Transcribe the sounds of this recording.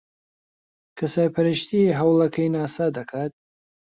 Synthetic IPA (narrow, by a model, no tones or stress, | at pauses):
kʰɐsaːjpʰɐɾəʃt̪iɦɐwlˠɐkʰɐjnaːsad̪ɐkʰaːt̪̚